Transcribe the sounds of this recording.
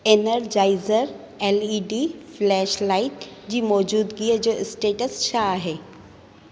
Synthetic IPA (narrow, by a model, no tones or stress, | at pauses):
enəɾd͡ʒaɪzəɾ | eliːɖiːflɛːʃlaɪʈd͡ʑiːmɔːd͡ʒuːd̪ɡiəd͡ʒoːɪsʈeːʈəsʃaɦe